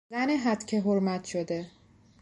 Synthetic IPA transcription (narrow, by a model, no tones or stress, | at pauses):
æneɦæt̪cʰeɦoɾmæt̪ʰʃod̪e̞